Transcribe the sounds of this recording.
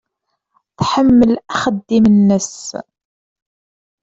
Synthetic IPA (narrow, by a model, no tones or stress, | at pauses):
θħəmːəlæχəd̪ːimənːəs